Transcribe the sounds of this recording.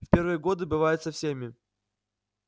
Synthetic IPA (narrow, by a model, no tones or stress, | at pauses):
fʲpʲe̞rvɨjəɡo̞d̪ɨbɨvajʊt̪səfsʲemʲɪ